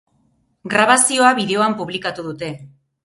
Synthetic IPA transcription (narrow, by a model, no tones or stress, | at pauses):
ɡɾaβ̞asio̞aβiðe̞o̞ampuβlikat̪uðut̪e̞